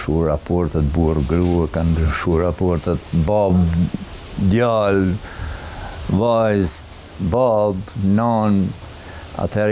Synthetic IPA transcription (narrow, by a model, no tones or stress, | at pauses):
ʃuɾapɔɾt̪ɛt̪̚buəɾɡɾuɛkand̪ɾəʃuɾapɔɾt̪ɛt̪bab | d̪jal | vajst̪ | babnan | a̰t̪hɛɾ